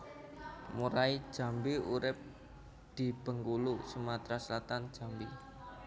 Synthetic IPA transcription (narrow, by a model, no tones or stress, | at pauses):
muɾai̥ʒ̥a̤mbiuɾɪp̚ | d̪̥i̤b̥ə̤ŋkulusumat̪ɾaslat̪an̥d͡ʒ̥a̤mbi